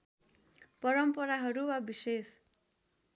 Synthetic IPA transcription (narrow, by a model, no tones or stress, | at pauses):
pʌɾʌmpʌɾaɦʌɾuwabises